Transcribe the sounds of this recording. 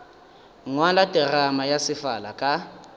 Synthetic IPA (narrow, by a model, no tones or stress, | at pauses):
ŋwalatʼɪramajasɪfalakʼa